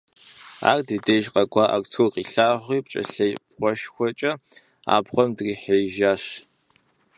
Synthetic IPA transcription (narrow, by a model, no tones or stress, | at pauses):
a̰ːrdideːʒqɐɡʷʼɑːʔa̰kʷʼt͡sʰowqiːɬaːʁʷiːpt͡ʃʼɐ̰ɬɐjpχʷɔʃxʷɔt͡ʃʼɐ | a̰ːbʁʷɔmdriːħejʒaːɕ